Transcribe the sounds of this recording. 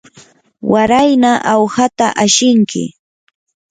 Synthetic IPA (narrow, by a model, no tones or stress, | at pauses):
waɾajnaʔawhat̪aʔaʃɪŋkʰɪ̰